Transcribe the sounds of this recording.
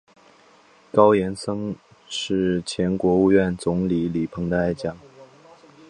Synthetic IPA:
kɑ˥ʊjɛ˧˥nsɤ˥ŋ | ʂɻ̩˥˩t͡ɕʰjɛ˧˥nkwɔ˧˥u˥˧ɥɛ˥˩nt͡sʊ˧˥ŋli˨˥li˨˩pʰɤ˧˥ŋd̪ə˧a˥˧ɪt͡ɕjɑ˥˩ŋ

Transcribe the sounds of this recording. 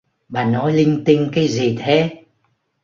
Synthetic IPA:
ɓaː˨˩nɔ˨˦jlï˧ŋ̟t̪ï˧ŋ̟kaː˨˦jzi˨˩t̪ʰe˨˦

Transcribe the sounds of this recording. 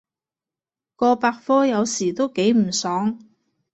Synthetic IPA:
kɔː˧paː˧k̚fɔː˥jɐ˨˧wsiː˨˩t̪o˥wke˨˥jm̩˨˩sɔː˨˥ŋ

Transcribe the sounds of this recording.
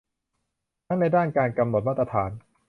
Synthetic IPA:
na˥ŋna˧jdaː˥˩nkaː˧nka˧mno˨˩t̪̚maː˥˩t̪̚ːa˧t̪ʰaː˩˦n

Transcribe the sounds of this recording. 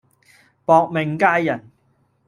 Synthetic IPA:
pɔː˨˧k̚mɪ˨˩ŋkaː˥jːɐ˨˩n

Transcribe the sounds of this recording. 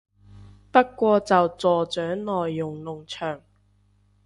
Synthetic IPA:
pɐ˥t̚kːʷɔː˧t͡sɐ˨wt͡sɔː˨t͡sœː˨˥ŋnɔː˨jːʊ˨ŋlʊ˨˩ŋt͡ʃʰœː˨˩ŋ

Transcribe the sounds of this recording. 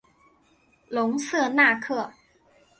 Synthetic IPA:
lo˨˦ŋsɯ˥˩naː˥˧˩kʰɯ˥˩ə˩

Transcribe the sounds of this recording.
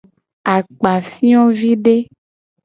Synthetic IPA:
a˨k͡pa˨fi˦ɔ̃˦vi˦ɖe˦

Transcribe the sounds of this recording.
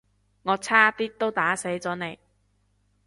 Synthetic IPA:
ŋɔː˨˧t͡sʰaː˥t̪iː˥t̪o˥wt̪aː˨˥se˨˥jt͡sɔː˨˥ne˨˧j

